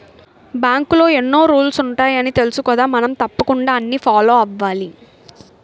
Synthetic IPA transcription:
bjaːŋkulo̞ːenːo̞ːɾuːlsuɳʈaːjɐnit̪e̞lusukɔːd̪aːmɐnɐmt̪ɐpːɐkuɳɖaːɐnːiːfʰaːlo̞ːɐʋːaːli

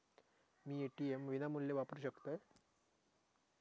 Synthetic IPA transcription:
miːeʈiemʋinamuljeʋapəɾuɕəkt̪aj

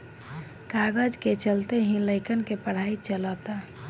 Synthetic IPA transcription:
kaɡəd͡ʒket͡ʃəlt̪eɦĩləɪkənkepəɽ̤ait͡ʃələt̪a

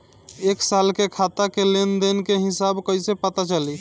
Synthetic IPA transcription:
eksalkekʰat̪akelend̪enkeɦisabkəɪsepət̪at͡ʃali

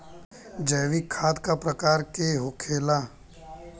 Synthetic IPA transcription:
d͡ʒɛːʋikʰːaːd̪kapɾəkaːɾkeɦʊkʰeːla

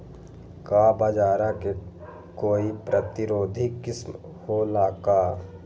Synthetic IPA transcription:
kaːbad͡ʒaːɾake | koːipɾət̪ɪɾoːd̪ʱikɪsm | holaːkaː

